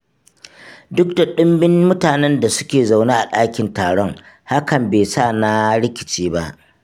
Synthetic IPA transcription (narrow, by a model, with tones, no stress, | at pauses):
dʊ˦k̚da˨ɗʊ˦mbɪ˦nmʊ˦taː˨nɛ˦nda˨sʊ˦kʲeː˨za˨wnaː˦ʔa˨ɗaː˦kʲɪ˨ntaː˨ɽɔ˦ŋ | ha˦kɐ˨mbeː˨saː˦˨na˦ɽɪ˦kʲɪ̥˨t͡ʃeː˦ba˦ʔ